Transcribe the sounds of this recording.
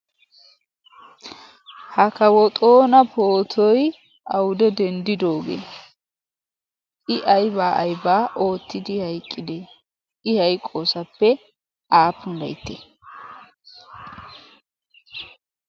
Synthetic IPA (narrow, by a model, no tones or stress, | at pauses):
hɐkɐwɔt̪ʼo̞ːnɐpʰoːt̪ʰɔj | ʔɐwʊd̪ɛd̪ɛnd̪ɪd̪o̞ːɡḛː | ʔɪʔɐjbaːʔɐjbaːʔo̞ːt̪ːɪd̪ɪhɐjkʼːɪd̪e | ɪhɐjkʼːo̞ːsɐpːɛ | ʔaːpːʊnd̪ɐ̰jt̪ːḛ